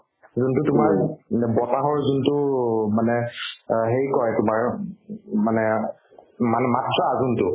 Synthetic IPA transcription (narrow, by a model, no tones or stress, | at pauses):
zuntʊtʊmaɹɛbɔtaɦɔɹzuntʊmanɛɦejkɔjtʊmaɹ | manɛ | manɛmatɹɔazuntʊ